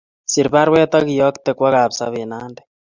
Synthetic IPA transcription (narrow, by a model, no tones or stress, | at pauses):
siɾβaɾwɛːt̪ɔɣijɔkt̪ekwaɣaːpsa̰βenaːndɛ̥